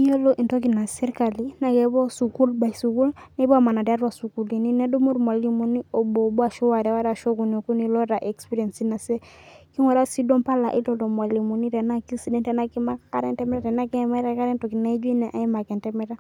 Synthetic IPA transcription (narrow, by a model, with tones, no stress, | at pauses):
i˦o˦lo˦ʔi˨nto˦ki˨na˨sɛ˦ɾka˨li˦na˨kɛ˨bɔ˦su˨ku˦lba˨i˨su˨ku˦lnɛ˦ba˦˨ma˨na˨da˦ɾwa˨su˨ku˨li˨ni˦ne˦do˦mu˦ɾma˨li˦mu˨ni˦o˨bo˨bu˦a˨ʃɔ˦wa˨ɾɛ˨wa˦ɾa˨ʃo˦ɡu˨no˨ku˦ni˨lɔ˦ɾa˨ʔe˨kspi˦ɾie˨nsi˦na˨se˦ki˦ŋɔ˨ɾa˦si˦dɔ˦mpa˦la˨ʔi˦lo˦do˨mwa˨li˨mu˨ni˦ɾɛ˨na˦ki˦si˦dɛ˦ntɛ˨na˦ki˦ma˦kaka˦ɾɛ˦ntɛ˦mɛ˦ɾa˨ɾɛ˨na˦kɛ˦ma˦ɾa˦ka˦ɾɛ˦nto˨ki˨na˦i˦d͡ʒi˦nɛ˨ʔa˦i˦ma˨kɛ˨ntɛ˦mɛ˦ɾa˦